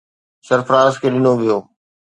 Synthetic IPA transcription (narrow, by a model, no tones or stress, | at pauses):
sɐɾfɾãːskʰeːɗɪnoʋijoː